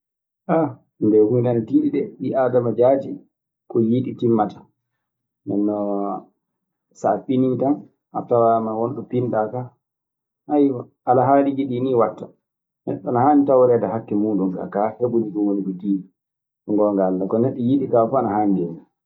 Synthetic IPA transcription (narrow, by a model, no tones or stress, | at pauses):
ʔa | ndɛhunanatiːɗiɗɛɗiʔaːdamad͡ʒaːd͡ʒi | kɔjiɗitimːatḁ | nmɛnːɔ | saɓinitan | ʔa̰tawamawɔnɗɔpinɗaka | hajwɔ | ʔalaɦaːlid͡ʒiɗiniwatːa | nɛ̰ɗɔnahaːɲitawɾɛːtahakːɛmuːɗumka̰kaheɓunikɔwonikɔtiːɗi | ŋɡɔŋɡaldakɔnɛɗːɔjiɗikafaanaɦaːɲdɛna